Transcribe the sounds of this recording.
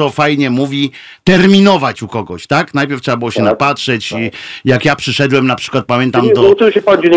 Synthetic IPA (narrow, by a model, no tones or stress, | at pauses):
ɔfajɲɛmuvʲi | t̪ɛɾmʲinɔvat͡ɕukɔɡɔ̰ɕt̪aknajpʲɛɾftʂɛbabɨwɔɕɛnapatʂɛt͡ɕijakjapʂɨʂɛd̪wɛmnapʂɘ̥kwat̪̚pamʲjɛnt̪aamt̪ɔɨwɕɛpɔd͡ʑeɲ